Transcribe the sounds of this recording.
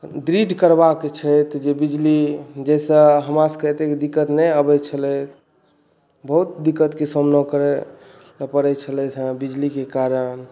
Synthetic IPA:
d̪ɾiɖkəɾbakt͡ʃʰəjt̪d͡ʒebid͡ʒlid͡ʒɛsə̃ɦəmaskət̪ekd̪ikːət̪nɛəbɛt͡ʃʰəlɛt̪ | bəɦut̪d̪ikːət̪kesəmnəkəɾɛ | ləpəɾɛt͡ʃʰəlɛt̪ʰə̃bid͡ʒlikekaɾən

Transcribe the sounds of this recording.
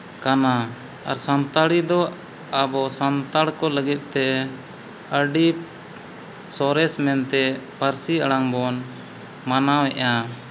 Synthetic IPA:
kana | a̰ɾsant̪aɽid̪ɔ | abɔsant̪aɽkɔləɡit̪̚ˀt̪ɛ | əɖi | sɔɾɛsmɛnt̪ɛpaɾsiəɽaŋbɔn | manawɛʔa

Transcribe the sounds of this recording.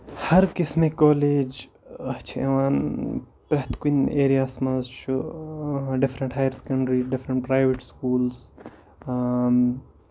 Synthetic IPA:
hɐɾkismekoːleːd͡ʒ | ɐt͡ʃʰiḛʋaːn | pɾɐht̪kineːɾijaːsmɐzʃu | ɖɪfɾɐ̃ɳʈɦaːjəɾse̥kɐɳɖɾiɖɪfɾɐɳʈ̚pɾaːjʋeʈskuːlz

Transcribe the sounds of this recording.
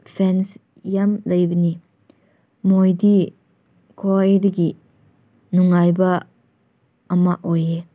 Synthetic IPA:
pʰɛns | jɐmlɐjbɐni | mojdi | kʰɔjdiɡi | nuŋajba | maʔoje

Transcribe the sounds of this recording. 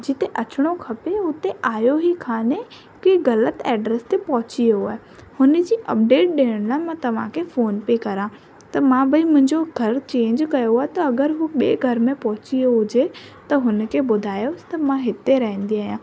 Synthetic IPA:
d͡ʑɪt̪eʔɐt͡ɕʊɽ̃okʰɐpeʊt̪eʔaːjoɦikʰaːne | keɣɐlət̪ɛːɖɾeːst̪epɐɦʊt͡ɕijoaːɦe | hʊnəd͡ʑiːʔɐp̚ɖeːʈ̚ɗeːəɽ̃laːemãt̪ɐʋ̤ãkʰefoːnpeːkɐɾãː | t̪ɐmãbɐĩmʊ̃ɦɪ̃ɲd͡ʑoɡʱɐɾt͡ɕẽːɲd͡ʑkɐjoaːɦet̪ɐɐɡəɾɦuɓieɡʱɐɾmẽpɐɦʊt͡ɕioɦʊd͡ʑet̪ɐɦʊnkʰeɓʊd̪ʱaːjost̪ɐmãɦɪt̪eɾɐɦɛ̃n̆d̪iaːɦijãː

